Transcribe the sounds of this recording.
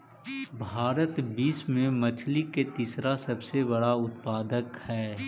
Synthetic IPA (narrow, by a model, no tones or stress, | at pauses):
bʱaːɾət̪biːsmẽmɐt͡ʃʰliket̪isɾasɐbsebɐɽaʊt̪paːd̪əkhɛː